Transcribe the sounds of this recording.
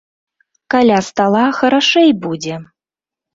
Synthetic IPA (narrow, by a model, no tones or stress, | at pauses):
kalʲast̪alˠaxɐɾaʂɛjbud͡zʲɛ